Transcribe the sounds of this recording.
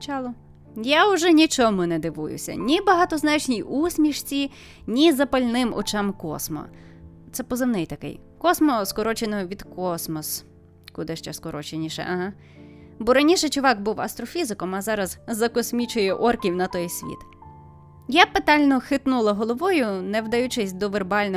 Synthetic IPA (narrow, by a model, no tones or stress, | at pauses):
t͡ʃɑlˠʊ | jaʊʒɛnʲit͡ʃɔmʊnɛd̪ɪʋṵjʊ̰sʲɐ̰nʲibɐɦɑt̪ɔznɑt͡ʃnʲijusʲmʲiʃt͡sʲi | nʲizɐpɐlʲnɪmɔ̰t͡ʃamkɔ̰smɔ̰ | t̪sɛpɔzɪwnɛjt̪ɐkɪ̰j | kɔsmɔskɔɾɔt͡ʃenɔʋʲid̪kɔsmɔs | kʊd̪ɪʃt͡ʃɛskɔɾɔt͡ʃenʲiʃɛ̰ʔɐɦa | bɔɾɐnʲiʃɛt͡ʃʊʋɑɡbuwɐ̰st̪ɾɔfʲizɪkɔmɐzɑɾɐzzɐkɔsʲmʲit͡ʃʊjɛʔɔrkʲiwnɐt̪ɔjsʲʋʲḭt̪ | japet̪ɑlʲnɔxɪt̪nulˠɐɦɔlˠɔʋɔjʊnɛwd̪ɐjut͡ʃɪsʲd̪ɔʋerbɑlʲnɔ